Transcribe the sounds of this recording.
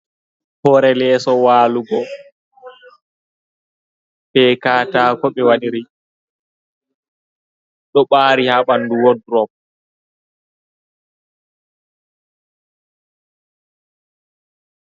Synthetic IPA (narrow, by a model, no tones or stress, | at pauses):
hɔɾɛlɛːsɔwaːluɡɔ | pɛkaːtaːkɔɓɛwaɗiɾi | ɗɔɓaːɾihaɓanduwɔdɾɔp̚